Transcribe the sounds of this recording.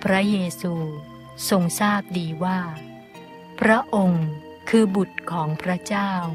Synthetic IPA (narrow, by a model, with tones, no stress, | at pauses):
pʰɾa˦˥jeː˧suː˧ | so˧ŋsaː˥˩p̚diː˧waː˥˩ | pʰɾa˦˥ʔo˧ŋ | kʰɯː˧bu˨˩t̪̚kʰɔː˩˦ŋpʰɾa˦˥t͡ɕaː˥˩w